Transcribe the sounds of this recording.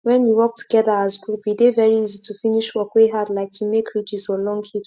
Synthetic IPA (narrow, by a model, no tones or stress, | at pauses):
wɛ̃nwiwɔk̚tʰu̥ɡ̥ɛðəazkubidevɛɹiizitʰufĩniʃwɔkweɦadlaɪk̚tʰumekʰɹid͡ʒizɔlɔ̃ŋɡhit͡ʃ